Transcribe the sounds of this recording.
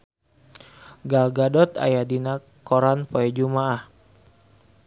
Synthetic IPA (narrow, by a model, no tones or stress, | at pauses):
ɡalɡadɔt̪a̰jadina | kɔɾanpɔɛd͡ʒumaah